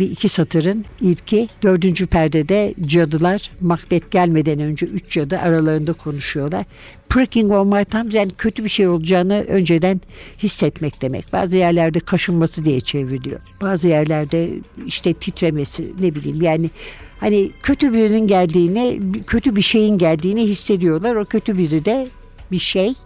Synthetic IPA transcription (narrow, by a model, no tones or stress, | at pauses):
biicʰisat̪ʰɯɾɯniɾcʰid̪̥ø̞ɾd̪ynd͡ʒypʰæɾd̪ɛd̪ɛd͡ʒad̪ɯlˠaɾ̥makd̪ʲɛt̪̚ɟælʲme̞d̪ænø̞nd͡ʒɛyt͡ʃd͡ʒad̪ɯʔaɾalˠaɾɯnd̪akʰo̞nuʃujo̞lˠaɾ̥ | pɾakiŋɡolˠmajt̪ʰamzjaːnicʰø̞t̪ʰybiʃejo̞lˠud͡ʒaːnɯʔø̞nd͡ʒe̞d̪ænhisːɛt̪mɛc̚d̪̥e̞mɛ̰c̚ba̰ːzɯjæɾlʲæɾd̪ɛkʰaʃɯnmasɯd̪ijɛt͡ʃʰe̞viɾlʲijo̞̰b̥aːzɯjæɾlʲæɾd̪ɛiʃt̪ʰɛt̪ʰit̪ɾemesḭnebilʲḭːmjaːnɪhanicʰø̞t̪ʰybiɾininɟælʲd̪iːnicʰø̞t̪ʰybiʃe̞jinɟælʲd̪iːniɦisːe̞d̪ijo̞lˠaɾo̞cʰø̞t̪ʰybiɾid̪ɛ | biʃej